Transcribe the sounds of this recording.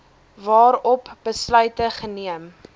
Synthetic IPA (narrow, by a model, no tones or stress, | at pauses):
vɑːɾɔpbəslœɥtəχəniəm